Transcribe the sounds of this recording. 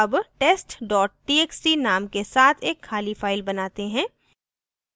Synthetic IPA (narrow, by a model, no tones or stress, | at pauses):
ɐbʈeːsʈɖɔːʈ̚ʈiːeːksinaːmkesaːt̪ʰeːkʰːaːlifaːɪlbɐnaːt̪eɦɛ̃ː